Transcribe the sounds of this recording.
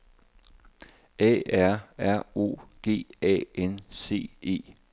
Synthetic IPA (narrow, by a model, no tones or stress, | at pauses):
ɛ̰ːæɐ̰æɐ̰o̝̰ːɡ̥e̝̰ːɛ̰ːʔense̝̰ːe̝̰ː